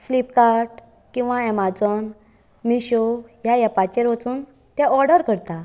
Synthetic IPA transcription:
flipkaɾʈ | kĩw̃ʋaɛmad͡zɔn | miɕojajapat͡ɕeɾʋat͡suːn | t̪ɛ̃ɔɾɽəɾkəɾt̪a

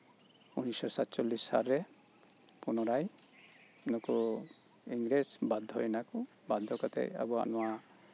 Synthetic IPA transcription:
unisɔsat̪t͡ʃolːisːa̰lɾɛ | punɔɾaj | nɔku | iŋɡɾesbad̪ʱːɔjnaku | bad̪ʱːɔkat̪ɛ̰a̰bua̰nɔwa

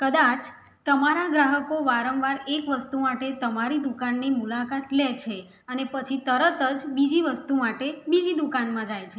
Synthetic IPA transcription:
kəd̪at͡ʃ | t̪əmaɾaɡɾaɦəkoʋaɾənʋaɾekʋəst̪umaʈet̪əmaɾid̪ukanːimulakat̪lɛt͡ʃʰe | ənepət͡ʃʰit̪əɾət̪əd͡ʒbid͡ʒiʋəst̪umaʈebid͡ʒid̪ukanmãd͡ʒajt͡ʃʰe

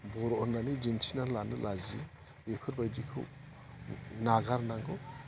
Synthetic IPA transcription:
bɔɾɔɔnanid͡ʒintʰinalanɯ̰lʔazḭ | bekʰɯɾbajdikʰɯ̰w | naɡaɾnaŋɡɯ

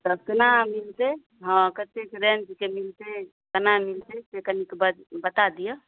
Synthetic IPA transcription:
t̪ɔknamilt̪e | ɦə̃kət̪ekɾend͡ʒkemilt̪e | kənamilt̪et̪ekənikbəbət̪ad̪ijə

